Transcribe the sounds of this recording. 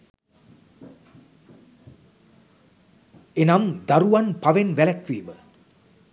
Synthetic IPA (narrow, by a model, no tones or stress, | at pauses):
enamd̪aɾuanpaʋenʋælækʋiːʋə